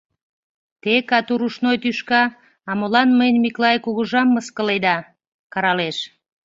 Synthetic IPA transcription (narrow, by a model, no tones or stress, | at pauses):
t̪ekɑt̪uɾuʃnojt̪yʃkɑː | molɑnməjənʲmiklɑjkuɣuʒɑmːəskəled̪ɑ | kɑɾɑleʃ